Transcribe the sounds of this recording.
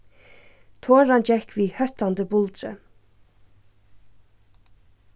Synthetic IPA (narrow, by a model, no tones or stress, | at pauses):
t̪ʰoːɾɑnd͡ʒɛkʰʋiːhœt̪and̪əbʊld̪ɾə̰